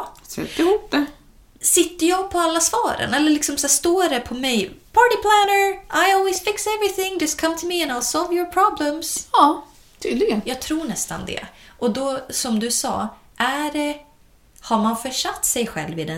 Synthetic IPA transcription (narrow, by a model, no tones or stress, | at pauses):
sɛ̰t̪ɪhuːp̚d̪ɛ | sɪt̪ːəjɑːɡ̚pʰɔalːasvɑːɾə̰nɛlːəɭɪksɔmsæːʂt̪oːɾɛpʰɔmɛjpʰɑːɹʈɪpʰlænə˞ʔaɪɔlwisfɪksɛvɹɪθɪ̃ŋd͡ʒʌstkʰʌ̃mt̪ʰɵmiɛ̃naɪlsɔlvjɔɹpʰɹɑblə̃msɑː | t̪ʰyːd̪lɪɡənjɑːɡ̚t̪ʰɾuːɳɛst̪a̰nd̪ɛ̰ʔɔd̪ɔsɔmd̪ɵsɑ̰ː | ʔæɖɛ | haɾmanfœʂat̪ːsɛjɧɛ̰lːvɪd̪ɛ